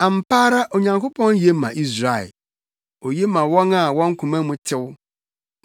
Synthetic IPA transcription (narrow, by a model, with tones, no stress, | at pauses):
ã˨m̩˨paː˦ɾa˦ʔo˨ɲã˨ŋkʰo˦pʰɔ̃˦nje˦mã̰˨ʔi˦sɾa˨ɛ̰˨ | o˨je˦mã˨wɔ̃˦na˨wɔ̃˦ŋ̩˦kʰũ˨mã˦mũ˦tʰɪ˦w